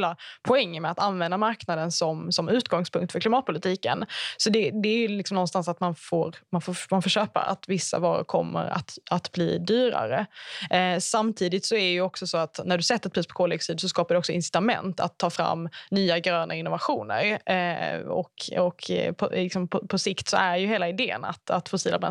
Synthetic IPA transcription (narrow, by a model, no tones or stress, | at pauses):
lapʰʊɛŋːəmɛat̪anvɛnd̪amaɾknad̪ənsɔmsɔmʉ̟ːt̪ɡɔŋspʰɵŋkt̪fœɾklɪmɑːt̪̚pʰʊlɪt̪ʰiːkə̰nsɔd̪ɛd̪ɛæɾjɵlɪksɔmnɔnst̪ansat̪manfoːɾmanfoːmanfoːʂøːpa̰a̰t̪vɪsːa̰vɑːɾʊ̰ɾkʰɔ̰mːə̰ɾa̰t̪at̪blḭːd̪yːɾa̰ɾə | samt̪ʰiːd̪ɪt̪sɔæɖɛjɵɔksɔsoːat̪næɖɵsɛt̪ːəɾɛt̪pʰɾyːspʰɔ̥kʰoːlɛksyːd̪sɔskɑːpaɾdɛɔksɔɪnsɪ̥t̪amɛ̰nt̪a̰t̪ʰːɑːfɾa̰mːnyːaɡɾøːnaɪnːʊvaɧuːnə̰ɾ | ɔ̰kɔkʰpʰɔlɪksɔmpʰɔpʰɔsɪkt̪sɔæɖɛjɵheːlaɪd̪eːə̰na̰t̪at̪fɔsiːlabɾɛ̰